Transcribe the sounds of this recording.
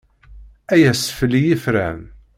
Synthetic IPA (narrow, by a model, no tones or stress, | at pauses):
æjæsə̥flijifɾæ̰n